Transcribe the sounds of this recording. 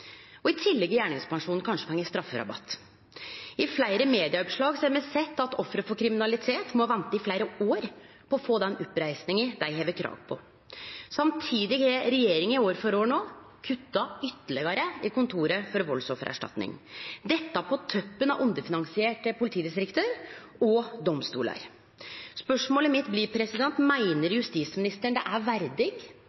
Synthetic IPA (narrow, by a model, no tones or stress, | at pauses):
ɔɪt̪ʰɪlːɛɡɪjæːɳɪŋspʰɑŋʂuːnn̩kʰɑnʂəpʰɔɛŋːəst̪ɾɑfːəɾɑ̰bɑ̰t̪ː | ɪflæɪɾəmeːd̪ɪɑɔpʂɭɑːɡsɔæɾmɛsɛt̪ːɑt̪ɔfɾəfɔkʰɾɪmɪnɑlɪt̪ʰeːt̪mɔʋɛnt̪əɪflæɪɾəoːɾ | pʰɔɔfoːd̪ɛnɔpːɾæɪsnɪŋəd̪æɪɦeːʋəkʰɾɑ̰ːʋpʰɔ | sɑmt̪ʰiːd̪ɪhɛɾɛjeːɾɪŋənɪoːɾfɔɾoːɳoː | kʰʉt̪ːɑʏt̪ːəɭɛɡɑɾəɪkʊnt̪ʰuːɾəfɔɾʋɔlsɔfəɾʔæ̰ʂʈɑ̰t̪nɪ̰ŋd̪ɛt̪ːɑpʰɔt̪ʰœpːənɑʋʔʊnd̪əfɪnɑŋsɪeːʈəpʰʊlɪt̪ʰiːd̪ɪst̪ɾɪkt̪əɾ | ɔd̪ɔmst̪ṵːlɑ̰ɾ | spœʂmoːləmɪt̪blɪɾpʰɾɛsɪd̪ɛnt̪mæɪnəɾjʉst̪iːsmɪnɪst̪əɳd̪ɛʔæʋæɾd̪ɪɡ